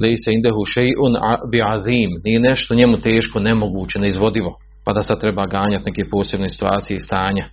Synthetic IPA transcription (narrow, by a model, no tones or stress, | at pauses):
lejsaind̪aɦuʃejʔʊnbiʕaðiːmnijeneʃt̪oɲemut̪eːʃko̞nemoɡuːt͡ɕe̞naizʋo̞d̪iʋo̞ | pad̪asad̪̚t̪ɾebaːɡaːɲat̪ne̞kepo̞ːse̞bne̞si̥t̪uaːt̪ijest̪aːɲa